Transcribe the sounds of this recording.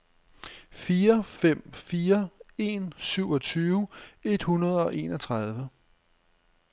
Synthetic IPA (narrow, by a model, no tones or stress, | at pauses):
fiːɐfem̰fiːɐe̝̰ːnsyʊɒ̽t͡sʰyːʊe̝d̥hunɐð̞ˠɒ̽ʔe̝ːnɒt͡sʰʁɑð̞ˠʋə